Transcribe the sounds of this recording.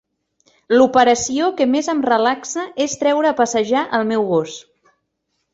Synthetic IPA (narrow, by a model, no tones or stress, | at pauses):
lupəɾəsiokəmezəmrəlaksəʔest̪ɾɛwɾəːpəsəʒaʔəlˠmɛwɣos